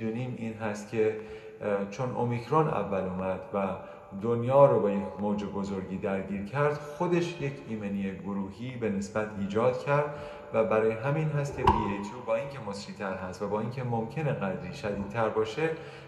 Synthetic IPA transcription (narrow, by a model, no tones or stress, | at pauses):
d̪uːniːmiːnɦæst̪̚cʰe̞ | t͡ʃʰo̞no̰micʰɾonæ̰vːæluːmæd̪̥væ | d̪onjɒːɾobejemoːd͡ʒebo̞zo̞ɾɟiːd̪æɾɟiːɾcʰæɾd̪̥xo̞d̪e̞ʃje̞cʰiːmenieɡoɾuːɦiːbe̞ne̞sbæt̪ʰiːd͡ʒɒːd̪cʰæɾd̪ | væbæɾɒːjeɦæminɦæst̪̚cʰepʰiejt̪ʰuːbɒːiːncʰe̞mosɾiːt̪ʰæɾhæst̪væbɒːincʰe̞mo̞mcʰe̞ne̞ɣæd̪ɾiːʃæd̪iːd̪̥̚t̪ʰæɾbɒːʃe̞